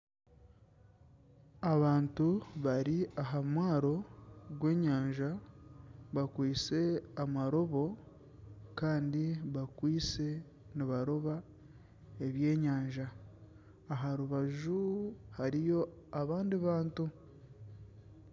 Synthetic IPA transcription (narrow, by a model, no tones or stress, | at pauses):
aβaːntuβaɾiaɦamwaːɾo̞ɡwe̞ːɲaːɲʒa | βakwiːt͡se̞amaɾo̞βo̞ | kaːndiβakwiːt͡se̞ | niβaɾo̞βa | e̞βje̞ːɲaːɲʒaː | ɦaɾuβaʒuhaɾijo̞aβaːndiβaːntu